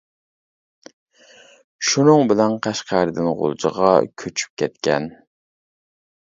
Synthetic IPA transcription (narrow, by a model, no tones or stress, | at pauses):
ʃunɨŋbɪlɛnqʰæʃqʰæɾɨd̪ɪnʁo̰lˠt͡ʃə̰ʁɑ̰kʲʰøt͡ʃʰy̥p̚kʲʰɛt̪̚kʲɛ̰n